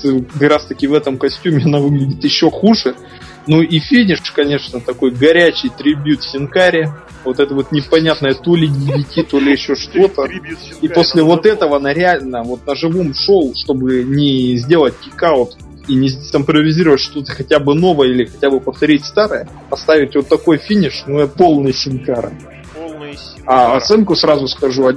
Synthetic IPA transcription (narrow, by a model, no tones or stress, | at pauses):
ɨkɐkɾast̪ɐkʲɪvɛt̪əmkɐsʲtʲumʲɪɐnavɨɡlʲɪdʲɪt̪jɪɕːo̞xuʐɨ | nuʔifʲinʲɪʂkɐnʲe̞ʂnət̪ɐko̞jɡɐɾʲæt͡ɕɪjt̪ɾʲɪbʲjut̪fʲɪnkaɾʲɪ | vo̞t̪ɛt̪əvo̞t̪nʲɪpɐnʲat̪nəjət̪o̞lʲɪdʲɪvʲɪtʲit̪o̞lʲɪjɪɕːo̞ʂt̪o̞t̪ə | ipo̞sʲlʲɪvo̞t̪ɛt̪əvənəɾʲɪalʲnəvo̞t̪̚nəʐɨvo̞mʂolʂt̪o̞bɨnʲɪzʲdʲe̞lˠət̚ʲkʲɪkaʊt̪ | inʲɪzʲsɪmpɾəvʲɪzʲiɾəvətʲʂt̪o̞t̪əxɐtʲabɨno̞vəjəilʲɪxɐtʲabɨpəft̪ɐɾʲitʲst̪aɾəjə | ɐst̪avʲɪtʲvo̞t̪ːɐko̞jfʲinʲɪʂnuɛt̪po̞lˠnɨjsʲɪnkaɾɨ̰ | aɐt̪sɛnkʊsrazʊskɐʐuɐ